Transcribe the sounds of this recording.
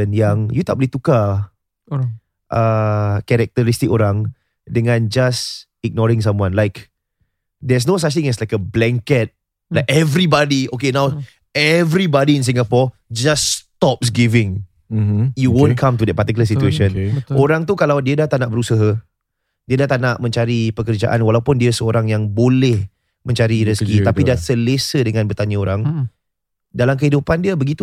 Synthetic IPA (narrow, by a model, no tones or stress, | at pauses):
ənjãŋjut̪aʔ̚boliht̪uka | ʔəkɛɾɛk̚t̪əɾist̪ɪikoɾãŋ | dəŋãnd͡ʒas | iɡ̚nɔɾĩŋs̬ãmwãnlaɪk | dɛs̬nos̬at͡ʃt̪ĩŋɛslajkəblɛ̃ŋkɛt̪̚ | lajkɛvɾibɔdiokenãw | ɛvɾibɔdiɪ̃ns̬ĩŋapɔ | d͡ʒasːt̪ɔp̚sɡivɪ̃ŋ | juwõnkʰãmt̪udɛt̚pat̪ikuləs̬it̪ueʃə̃noɾaŋt̪ukalawdiədaht̪anãʔbəɾusəɦa | diədaht̪anaʔmə̃ɲt͡ʃaɾipəkərd͡ʒa̰ʔanwalawpʊndiəsəoɾaŋjaŋbolɛh | mə̃ɲt͡ʃaɾiɾiskit̪apidasəlesədəŋãnbət̪aɲəoɾaŋ | dalamk̬əhidupandiəbəɡit̪u